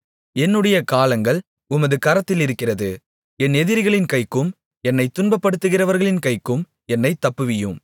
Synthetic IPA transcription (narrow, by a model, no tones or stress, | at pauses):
ɛnːɯɽɐjɐkaːlɐŋɡɐɭ | ʊmɐðɯkɐɾɐt̪ːɪlɪɾɯkːɪrɐðɯ | ɛnːɛðɪɾɪɣɐɭɪnkɐɪkːɯm | ɛnːɐɪt̪ːʊnbɐpːɐɽɯt̪ːɯɣɪrɐʋɐɾɣɐɭɪnkɐɪkːɯm | ɛnːɐɪt̪ːɐpːɯʋɪjɯm